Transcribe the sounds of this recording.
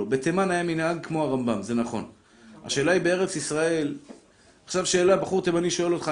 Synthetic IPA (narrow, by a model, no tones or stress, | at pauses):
obet̪emanajaminhaɡ̚kmo̞aʁambamze̞naχo̞̰n | a̰ʃe̞ːlaibe̞e̞ʁe̞t͡sisʁae̞l | aχʃavʃe̞ːlabaχuʁt̪emaniʃo̞e̞lo̞t̪χa